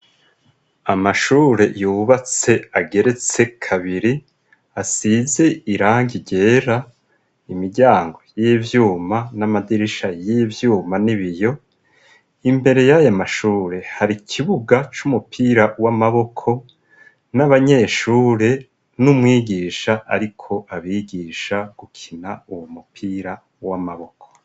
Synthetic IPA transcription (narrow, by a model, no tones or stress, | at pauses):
amaʃuːɾe̞juβat͡se̞aɡe̞ɾe̞t͡se̞kʰaβiɾi | asize̞iɾaːŋɡiɟe̞ːɾa | imiɾɟaːŋɡo̞jevjuːmanamadiɾiʃajivjuːmaniβijo̞ | imbe̞ɾe̞jajamaʃuːɾe̞haɾikʰiβuɡat͡ʃumupʰiːɾawamaβo̞kʰo̞ | naβaɲe̞ʃuːɾe̞ | numwiːɡiːʃaʔa̰ɾikʰo̞ʔaβiːɡiːʃaɡ̥ukʰinauwomupʰiːɾa | wamaβo̞kʰo̥